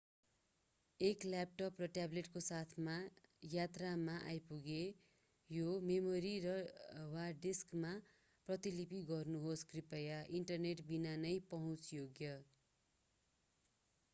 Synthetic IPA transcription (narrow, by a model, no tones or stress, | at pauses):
eklap̚ʈʌprʌʈableʈkosat̪ʰmajat̪ramaʔa̰jpuɡe | jomemoɾirʌwaɖiskma | prʌt̪ilipiɡʌrnuɦoskripʌjaʔiɳʈʌrneʈbinanʌjpʌɦũt͡sjoɡjʌ